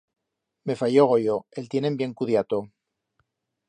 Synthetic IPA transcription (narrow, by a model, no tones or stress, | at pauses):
me̞fajoɣ̞ojoelt̪jenẽ̞mbje̞ŋkuðjat̪o